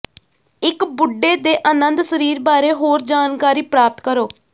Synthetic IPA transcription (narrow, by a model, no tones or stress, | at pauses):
ɪkbʊɖːeːd̪eːʔənənd̪səɾiːɾbaːɾeːɦoːɾd͡ʒaːnkaːɾiːpɾaːp̚t̪kəɾoː